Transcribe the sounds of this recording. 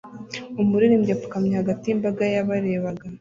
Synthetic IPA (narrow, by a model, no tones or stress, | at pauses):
umuɾiɾimɟapu̥kamɲahaɡatijimbaɡajaβaɾe̞βaɡa